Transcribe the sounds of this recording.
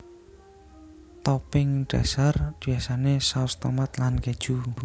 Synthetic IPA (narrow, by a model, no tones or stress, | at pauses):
t̪ɔpɪŋɖ̥a̰sard̪̥i̤asanesast̪omat̪lanked̥ʒ̥u